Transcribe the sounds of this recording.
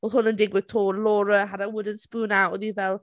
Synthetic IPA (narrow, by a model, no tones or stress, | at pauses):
wɔðˠhʊnəndɪɡwɪðtʰoːlɔːɾəɦadawʊdən̩tspuːnawʔɔðivɛlˠ